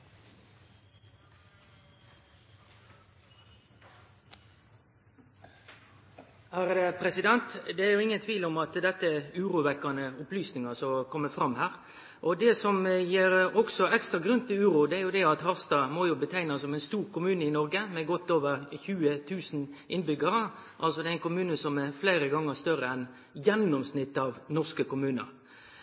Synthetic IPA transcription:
hæːɾəpʰɾɛsɪd̪ɛnt̪d̪ɛæɾjʊɪŋːənt̪ʰʋiːlɔmɑt̪d̪ɛt̪ːəæʁʉːɾʊʋɛkːɑnəʊplyːsnɪŋɑsɔkʰɔmːəfʁɑmhæːʁ | ʔɔd̪ɛsɔmjeːɾɔksɔɛkst̪ɾɑɡɾʉnt̪ɪlʉːɾʊd̪ɛæɾjʊd̪ɛɑt̪hɑʁst̪ɑːmojʊbət̪ʰæɪnɑsːɔmæɪnst̪uːɾkʊmʉːnəɪnɔɾɡəmɛɡɔt̪ːoːʋəʁçʉːət̪ʰʉːsn̩ʔɪnbʏɡɑɾə | ʔɑ̰lsɔd̪ɛæɪnkʊmʉːnəsɔmɛfleɪɾəɡɑŋːəʁst̪œɾəɛn | jɛnːɔmsnɪt̪ːɑʋnɔʁskəkʊmʉːnə̰ɾ

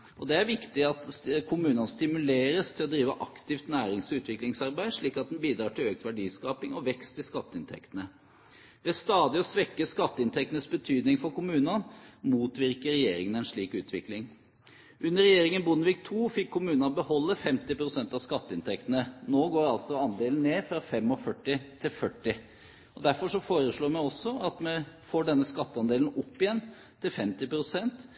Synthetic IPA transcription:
ʔɔd̪ɛæɾʋɪkt̪ɪɑt̪kʰʊmʉːnɑnst̪ɪmʉleːɾəst̪ʰɪlɔd̪ɾiːʋə̰ʔɑkt̪ɪft̪næːɾɪŋsɔʉːt̪ʋɪklɪŋsɑɾbæɪd̪ʂɭiːkɑt̪̚d̪ɛnbiːd̪ɾɑːʈʰɪløːk̚t̪ʋæɖiːskɑːpɪŋɔʋɛkst̪ʰɪskɑt̪ːəɪnt̪ʰɛ̰kt̪ənə | ʋɛst̪ɑːd̪ɪɔsʋɛkːəskɑt̪ːəɪnt̪ʰɛk̚t̪nəsbət̪ʰyːd̪nɪŋfɔɾkʊmʉːnɑnmuːt̪ʋɪɾkəɾɛjeːɾɪŋənæɪnʂɭiːkʉːt̪ʰʋɪklɪŋ | ʔʉnːəɾɛjeːɾɪŋənbʊnːəʋiːk̚t̪ʰuːfɪkʰːʊmʉːnɑbəhɔlːəfɛmt̪ɪpɾʊsɛnt̪ɑʋskɑt̪ːəɪnt̪ʰɛkt̪ənənoːɡoːɾɑlt̪sɔɑnd̪eːln̩neːfɾɑfɛmːɔfœʈːɪt̪ʰɪlfœʈːɪ | ɔd̪æɾfɔʂɔfoːɾəʂɭoːmæɪɔsːɔɑt̪mɛfoːɖɛnːəskɑt̪ːəɑnd̪eːlnɔpːɪjɛnː | t̪ʰɪlfɛmt̪ɪpɾʊsɛnt̪

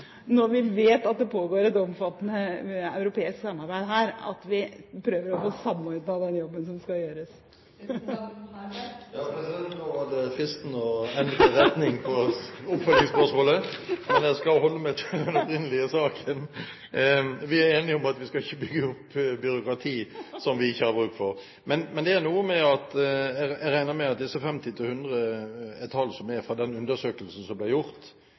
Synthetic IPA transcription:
nɔːʋɪʋeːt̪ɑt̪̚d̪ɛpʰoːɡoːɾɛt̪ɔmfɑt̪ːənəɑ̰ʉɾʊpeːɪsksɑmːɑɾbæɪd̪ɦæːɾɑ̰t̪ʋɪpʰɾøːʋəɾɔfoːsɑmːɔɾd̪ɑd̪ɛnjɔbːənsɔmskɑjøːɾəs | jɑːpʰɾɛsɪd̪ɛnt̪ɔhɑd̪əfɾɪst̪nɔɛnd̪ɾəɾɛt̪nɪŋpʰɔʊpfœt̪ɪŋspœʁʂmoːləmɛnjæɪskɑlhɔlːəmɛt̪ʰd̪ɛnɔpɾɪnːəlɪəsɑːkʰən | ʋɪæɾeːnɪɔmɑt̪ʋɪskɑɪçːəbʏɡːəʊpːbʏɾʊkɾɑt̪ʰiːsɔmʋɪɪçːəhɑɾbɾʉkt̪fɔɾ | mɛnmɛnd̪ɛænuːəmɛɑt̪ | æɾæɪnəmɛɑt̪d̪ɛsɔfɛmt̪ɪt̪ʰɪlhʉnd̪ɾəɛt̪ʰɑlːsɔmæfɾɑd̪ɛnʉnd̪əʂøːkəlsn̩sɔmblæɪjʊɾt̪

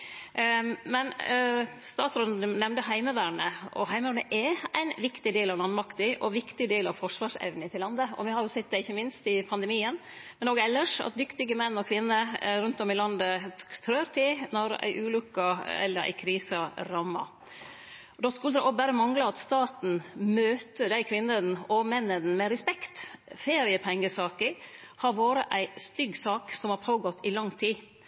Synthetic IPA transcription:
mɛn | st̪ɑːt̪sɾɔənɛmnd̪əɦæɪməʋæːɾɳəʔɔ̰ɦæɪməʋæːɳəʔɛæ̰ɪnʋɪkt̪ɪd̪eːlɑʋlɑnmɑkt̪ɪʔɔʋɪkt̪ɪd̪eːlɑʋfɔʂʋɑːʂɛ̰ʋnət̪ʰɪlɑnd̪əɔ̰ʋɪhɑɾjʊsɪt̪̚ːd̪ɛɪçːəmɪnst̪ɪpʰɑnd̪əmiːənmɛnoːɡɛlːəʂɑ̰t̪̚d̪ʏkt̪ɪɡəmɛnːɔkʰʋɪnːəɾʉnt̪ɔmɪlɑnd̪ət̪ʰɾøːɾʈ̪ʰɪlnɔɾæ̰ɪʔʉːlʉkːɑɛ̰lːəɾæ̰ɪkʰɾiːsəɾɑːmːɑ̰ | d̪ɔskʉləd̪ɛʔɔbæɾəmɑŋlɑɑt̪st̪ɑːt̪n̩møːt̪əd̪æɪkʰʋɪnːənɔmɛnːənmɛɾɛspɛkt̪feːɾɪəpʰɛŋːəsɑːkə | hɑɾʋoːɾəʔæɪst̪ʏɡsɑːksɔmhɑɾpʰoːɡɔt̪ːɪlɑŋːt̪ʰiː

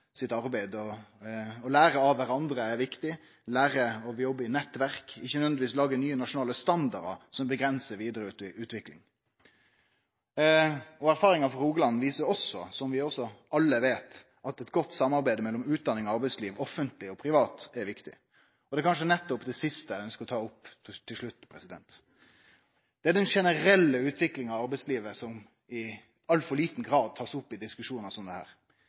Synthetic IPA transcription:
sɪt̪ɑɾbæɪd̪ɔ | ɔlæːɾəɑʋæɾɑnd̪ɾəæɾʋɪkt̪ɪ | læːɾəɔjɔbːɪnɛt̪ːʋæʁkɪçːənœʋɛnd̪ɪʋiːslɑːɡənyːənɑʂʊnɑːləst̪ɑnd̪ɑɾd̪ɑ̰sɔmbəɡɾɛnsəɾʋiːd̪əɾəʉːt̪ɪʔʉːt̪ʋɪklɪ̰ŋ | ɔæɾfɑːɾɪŋɑfɔɾuːɡəlɑnːʋiːsəɔsɔsɔmʋɪɔsːɔʔɑlːəʋeːt̪ | ɑt̪ɛt̪ɡɔt̪ːsɑmːɑɾbæɪd̪əmɛlːɔmʉːt̪̚d̪ɑnɪŋɔɑɾbɛɪsliːʋɔfːənt̪lɪɔpʰɾɪʋɑːt̪ɛɾʋɪkt̪ɪ̰ | ɔd̪ɛkɑnʂ̬ənɛt̪ːɔpd̪ɛsɪst̪əæœnskəɾɔt̪ʰɑːʊpːt̪ʰːɪlʂɭʉt̪ːpʰɾɛsɪd̪ɛnt̪ | d̪̥ɛæɾd̪ɛnʂɛnəɾɛlːəʉːt̪ʰʋɪklɪŋɑʋɑɾbɛɪsliːʋəsɔm | ɪ | ɑlːfɔliːt̪n̩ɡɾɑːd̪̚t̪ʰɑːsʊpːɪd̪ɪskʉʂuːnəsɔmd̪ɛhæ̰ːɾ

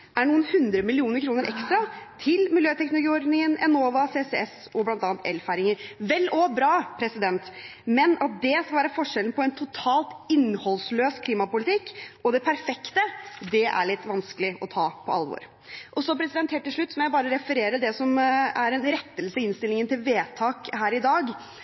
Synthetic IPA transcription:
ʔæɳuːənhʉnd̪ɾəmɪlɪuːnəɾkʰɾuːnəɾʔɛ̰kst̪ɾɑt̪ʰɪlmɪljøːt̪ʰɛknʊlʊɡiːɔɾd̪nɪŋənɛnoːʋɑseːsɛɛs | ɔblɑnt̪ɑːɑnt̪ɛ̰lfæɾɪŋəɾʋɛlːɔbɾɑːpʰɾɛsɪd̪ɛnt̪mɛnɑt̪̚d̪ɛskɑlʋæːɾəfɔʂɛlən̩pʰɔɛnt̪ʰʊt̪ʰɑːlt̪ɪnhɔlsløːskʰliːmɑpʊlɪt̪ɪkːɔd̪ɛpʰæɾfɛkt̪əd̪ɛʔæ̰ɭɪt̪ːʋɑnskəlɪʔɔt̪ʰɑːpʰɔɑ̰lʋo̰ːɾ | ʔɔsɔpʰɾɛsɪd̪ɛnt̪heːlt̪ʰːɪlʂɭʉt̪ːsɔmɔjæɪbɑːɾəɾɛfəɾeːɾəd̪ɛsɔmæɾɛnɾɛt̪ːəlsəɪɪnst̪ɪlɪŋənt̪ɪlʋeːt̪ʰɑːkhæːɾɪd̪ɑːɡ

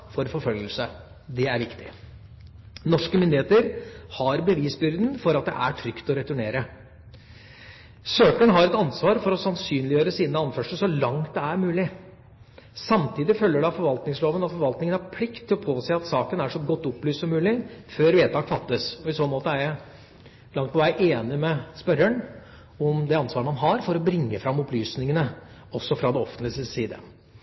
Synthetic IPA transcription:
fɔɾfɔɾfœlɡəlsə | d̪ɛæɾʋɪkt̪ɪ̥ | nɔʂkəmɪnd̪ɪeːt̪əɾhɑɾbəʋiːsbʏɾd̪nfɔɾɑt̪̚d̪ɛ̰ʔæʈʰɾʏkt̪ɔɾɛt̪ʉɳeːɾə | søːkəɳɦɑɾɛt̪ɑnsʋɑːɾfɔɾɔsɑnsyːnlɪjøːɾəsiːnəɑnfœʂəsɔlɑŋt̪̚d̪ɛæɾmʉːlɪ | sɑmt̪ʰiːd̪ɪfœlːəɖɑfɔɾʋɑlt̪nɪŋsloːʋənɑt̪fɔɾʋɑlt̪nɪŋənæɾpʰlɪkt̪ʰːɪlɔpʰoːsæɪɑt̪sɑːkənæʂɔɡɔt̪ːʊplyːst̪sɔmːʉːlɪføːɾʋeːt̪ɑːkfɑt̪ːəsɔɪsoːnmoːt̪əæɾjæɪ | lɑŋt̪pʰɔʋæɪʔeːnɪmɛspœɾəɳ | ɔmd̪ɛɑnsʋɑːɾəmɑnɦɑɾfɔɾɔbɾɪŋːəfɾɑmːʊplyːsnɪŋənə | ɔsːɔfɾɑd̪ɛɔfənt̪ɪsəsiːd̪ə̰

